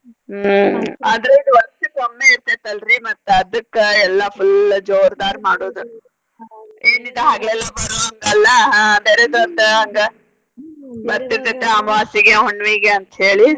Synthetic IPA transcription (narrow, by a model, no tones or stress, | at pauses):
aːd̪ɐɾeid̪uʋɐɾɐtːusɐmːeiɾt̪ɐt̪ːɐlɾimɐt̪ːeɐd̪ɐkːeɛlːɐpʰuld͡ʒoːɾd̪aːɾmaːɽoːd̪u | eːnid̪eɦaːɡɛlːɐbɐɾuɐŋɡɐɐlːɐbeːɾed̪uɐnt̪eɐŋɡe | bɐɾt̪iɾt̪ɐt̪ːeɐmɐʋaːsiɡeɦoɳːʋiːɡeɐnt̪ɐɦe̞ːɭi